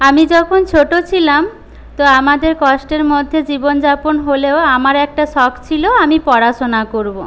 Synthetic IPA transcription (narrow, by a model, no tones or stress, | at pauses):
amid͡ʑɔkʰont͡ɕʰoʈot͡ɕʰilam | t̪oamad̪eɾkɔʃʈeɾmod̪ʱːed͡ʑibond͡ʑaponɦoleoamaɾɛk̚ʈaʃɔkt͡ɕʰiloamipɔɾaʃonakoɾbo